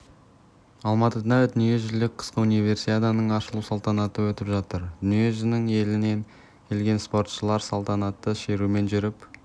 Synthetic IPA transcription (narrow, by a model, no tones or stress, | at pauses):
ɑlˠmɑt̪əd̪ɑd̪ʏnije̞ʒʏlɪk̚ʲqʰə̥sqəunijve̞ɾsit̪ʲet̪ɑnəɴɑʃəlˠusɑlˠt̪ɑnɑt̪əwɵt̪ɪpʒɑt̪əɾd̪ʏnije̞ʒɪnɪŋe̞lɪne̞n | kʲʰe̞lɡʲe̞nspo̞rt̪ʃəlˠɑɾsɑlˠt̪ɑnɑt̪ːəʃe̞ɾume̞nʒʏɾɪp